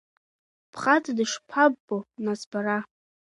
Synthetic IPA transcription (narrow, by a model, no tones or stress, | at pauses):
pʰχatʰʼdɨʂpʰabːonasbaɾa